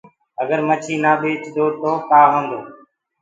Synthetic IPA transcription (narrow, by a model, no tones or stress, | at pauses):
əɡəɾmət͡ʃʰiːnaːɓeːt͡ʃd̪oːɾt̪oːk̪aːɦə̃nd̪oː